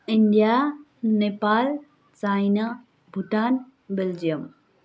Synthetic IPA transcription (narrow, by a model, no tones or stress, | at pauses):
ɪnd̪ija | nepaːl | t͡saːina | bʱʊʈaːn | bɪld͡ʑijəm